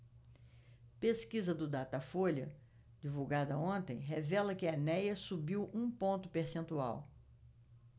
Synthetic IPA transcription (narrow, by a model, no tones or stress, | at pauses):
peskizɐd̪ʊd̪at̪ɐfoʎɐ̰ | d͡ʒivuwɡad̪ɐõnt̪ḛ̃j̃ɦɛvɛlɐkɪɐnɛjɐsubiwũpõnt̪ʊpeɾsẽnt̪ua̰w